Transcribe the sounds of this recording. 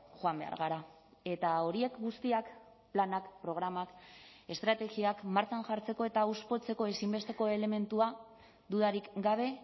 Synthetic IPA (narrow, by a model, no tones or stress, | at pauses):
ʝoambe̞̰a̰ɾɣaɾa | e̞t̪ao̞ɾie̞kɡust̪iak | planakpɾo̞ɣɾamake̞st̪ɾat̪e̞ɣiakmaɾt͡sanʝaɾt͡se̞ko̞e̞t̪auspo̞t͡se̞ko̞e̞simbe̞st̪e̞ko̞e̞le̞me̞nt̪ua | d̪uðaɾikɡaβ̞e̞